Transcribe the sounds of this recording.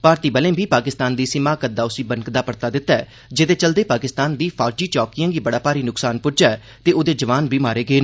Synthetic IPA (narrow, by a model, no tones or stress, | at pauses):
paːɾt̪iːbəlẽːbiːpaːkɪst̪aːnd̪iːsɪmaːkəd̪aːʊsĩːbənkd̪aːpəɾt̪aːd̪ɪt̪ːaɛː | d͡ʒɪd̪eːt͡ʃəld̪eːpaːkɪst̪aːnd̪iːpʰaːɾd͡ʒiːt͡ʃɔːkijãːɡiːbəɽaːpaːɾiːnʊksaːnpʊd͡ʒaːɛ | t̪eːʊd̪eːd͡ʒəʋaːnbiːmaːɾeːɡəeː